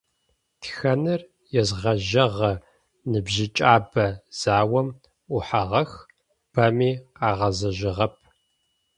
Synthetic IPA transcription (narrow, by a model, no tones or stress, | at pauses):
txɐnɨr | jɛzʁɐʒɐʁɐ | nɨbʒɪt͡ʃʼaːbɐz̥aːwɐm | uħaʁɐx | b̥ɐmiːaːʁɐzɐʒɪʁɐp̚ʰ